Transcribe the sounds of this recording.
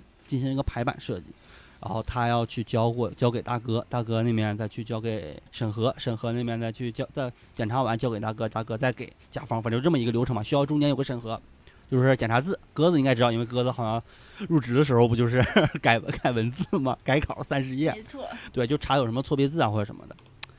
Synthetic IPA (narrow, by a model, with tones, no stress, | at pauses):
t͡ɕi˥˩nɕi˧˥˧ɡə˧˨pʰa˧˥ɪpa̰˨˩nʂɤ˥˧t͡ɕḭ˧˥˩ɻa˧˥xo˥˩ʊt̪ʰa˥jɑ˥˧ʊt͡ɕʰy˥˩t͡ɕjɑ˥ʊkwɔ˥˩t͡ɕjɑ˥ʊke˨˩ɪt̪a˥˩kɤ˥t̪a˥˩k̬ɤ˥ne˥˩ɪmjɛ˥˩nt͡sa˥˧ɪt͡ɕʰy˥˩t͡ɕjɑ˥ʊke˨˩ɪʂə˨˩ŋxɤ˧˥ʂə˨˩xɤ˧˥ne˥˧mjɛ˥˧nt͡sa˥˧ɪt͡ɕʰy˥˩t͡ɕjɑ˥ʊt͡sa˥˩ɪ | t͡ɕjɛ˨˩nʈ͡ʂʰa˧˥wa˧˥nt͡ɕjke˨˩t̪a˥˩k̬ɤ˥t̪a˥˩kɤ˥t͡sa˥˩ɪke˨˩˦ɪt͡ɕja̰˨˩fɑ˥ŋfʈ͡ʂ̩˧˥˧ʈ͡ʂmə˩i˧˥ɡə˧ljʊʈ͡ʂʰɤ˧˥mɐ˧ɕy˥jʊʈ͡ʂʊ˥ŋt͡ɕjnjo˨˩ɡə˦ʂə˨˩nxɤ˧˥ | t͡ɕjo˥˧ʊʂɻ̩˥˩t͡ɕɛ˨˩nʈ͡ʂʰa˧˥t͡sɹ̩˥˩kɤ˥d͡z̩˨˧i˥ŋkɪʈ͡ʂɻɑ˥˧ʊ˧i˥nwɪk̬ɤ˥d͡zɹ̩˨˩xɑ˨˩ʊɕjɑ˧˥ŋ | ɻu˥˩ʈ͡ʂɻ̩˧˥d̪ə˧ʂɻ̩˧˥xo˧t͡ɕjo˥˧ʊʂ̬ɻ̩˥˧˩ka˨˩ɪ˧ka˨˩ɪwə˧˥nt͡sɹ̩˥˧˩mɐ̰˩ka˧˥ɪkʰɑ˨˩ʊ˦sa˥nʂ̬ɻ̩˧˥jɛ˥˩t̪we˥˩ɪt͡ɕjo˥˩ʊʈ͡ʂʰa˧˥jo˨˩ʊʂə˧˥mə˧t͡sʰwɔ˥˩pjɛ˥t͡sɹ̩˥˩a˨xɔ˥˩˨ʂə̰˧˥mə̰˧d̪ə̰˩